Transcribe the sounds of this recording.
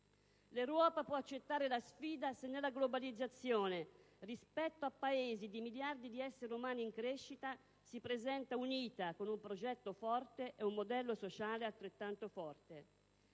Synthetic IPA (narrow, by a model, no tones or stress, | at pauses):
lewɾɔːpapwɔat͡ʃːet̪ːaːɾelasfiːd̪asenːelːaɡlobalid̪zːat̪sːjoːne | rispɛt̪ːoapːaeːzid̪imiljard̪id̪iɛsːeɾiumaːniiŋkɾeʃːit̪a | sipɾezɛnt̪auniːt̪akonumpɾod͡ʒɛt̪ːofɔrt̪eʔeumːod̪ɛlːosot͡ʃaːlealt̪ɾet̪ːant̪ofɔrt̪e